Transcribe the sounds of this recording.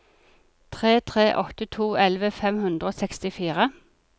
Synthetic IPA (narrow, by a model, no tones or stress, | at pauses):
t̪ʰʁeːt̪ʰʁeːʔɔt̪ət̪ʰuːʔɛlʋəfɛmhʉnd̪ʁəoːsɛkst̪ɪfiːʁə